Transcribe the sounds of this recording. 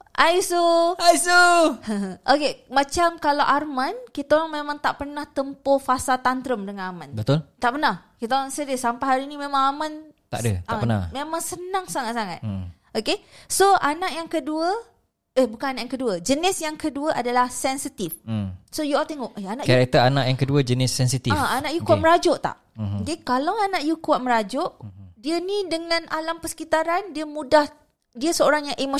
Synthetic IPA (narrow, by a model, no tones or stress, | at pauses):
ʔajsuajsu | ʔokemat͡ʃamkalawʔarmankit̪aoɾaŋmẽmãŋt̪aʔpərnaht̪əmpofasat̪ant̪ɾəmdəŋanamãnbət̪ʊlt̪aʔpənahkit̪aɾaŋsədəsampaɦaɾinimẽmãŋamant̪a̰ʔdə̰t̪apəna̰memãŋsənaŋsaŋat̪̚saŋa̰t̪̚ | okesoʔanaʔjaŋkəduə | əbukananaʔjãŋkəduəd͡ʒənɪsjaŋkəduəʔadalahsɛnsit̪ifsojuɔlt̪eŋɔʔʔeanaʔkaɾɛk̚t̪əɾanaʔjaŋkəduəd͡ʒənɪsːɛnsit̪iaanaʔjukuwat̪̚məɾad͡ʒʊʔt̪a̰ʔ | okekalawanaʔjukuat̪̚məɾad͡ʒʊʔdiənidəŋãnʔalampəsə̥kit̪aɾandiəmũdah | diəsəoɾaŋjaŋʔemo